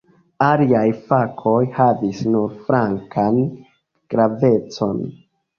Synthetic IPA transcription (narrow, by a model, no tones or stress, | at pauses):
aliajfakʰo̞jhavisnuɾfɾaŋkʰan | ɡ̥ɾave̞t͡so̞̰n